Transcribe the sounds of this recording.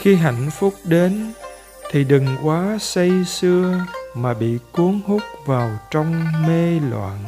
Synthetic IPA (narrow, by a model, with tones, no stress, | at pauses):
xi˧ɦa̰˧˨jŋ̟fʊ˦˥k͡p̚ɗe˨˦n | t̪ʰi˨˩ɗɨ˨˩ŋkwaː˨˦sə˧jsɨ˧əmaː˨˩ɓḭ˧˨ku˨˦əŋhʊ˦˥k͡p̚vaː˨˩wt͡ɕɔ˧wŋ͡mme˧lwa̰ː˧˨n